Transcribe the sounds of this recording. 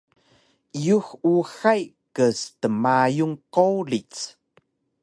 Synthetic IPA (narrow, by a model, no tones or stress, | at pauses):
ijuxuxaj | kəstəmajuŋkowlit͡s